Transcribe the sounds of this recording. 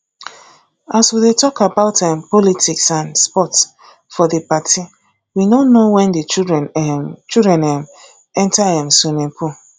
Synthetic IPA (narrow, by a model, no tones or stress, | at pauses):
aswidetɔkabaʊtɛmpɔlitʰiksãnspɔts | fɔdepatʰi | winonowɛ̃ndit͡ʃdɛnɛmt͡ʃidɹɛ̃nɛm | ɛ̃ntaɦɛ̃msunepʰu